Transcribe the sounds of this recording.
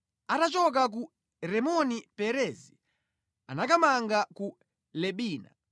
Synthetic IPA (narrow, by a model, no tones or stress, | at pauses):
atat͡ʃɔk̬ak̬u | ɾɛmɔnipɛɾɛːzi | anakamaŋɡaku | lɛɓiːna̰